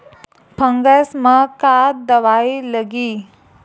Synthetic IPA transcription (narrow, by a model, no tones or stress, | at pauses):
pʰəŋɡəsməkad̪əʋajləɡiː